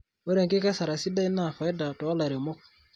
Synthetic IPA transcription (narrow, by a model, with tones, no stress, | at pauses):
o˦ɾɛ˨ŋke˦ka˦sa˨ɾa˨si˦da˦i˦na˨fa˨e˦da˨tɔ˨a˦la˨ɾe˨mɔ˦